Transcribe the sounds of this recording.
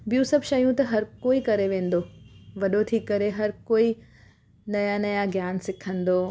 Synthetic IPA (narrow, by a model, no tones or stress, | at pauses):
bijũsɐbʃɐjũt̪ɐɦɐɾkoːikɐɾeʋẽːn̆d̪oːʋɐɗot̪ʰiːkːɐɾeɦɐɾkoːi | nɐjanɐjaɡʱjaːnsɪkʰə̃nd̪oː